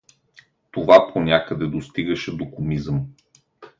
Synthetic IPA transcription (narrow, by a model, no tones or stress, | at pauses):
t̪ovapʰonʲakəd̪ɛd̪ost̪iɡəʃɛd̪okomizəm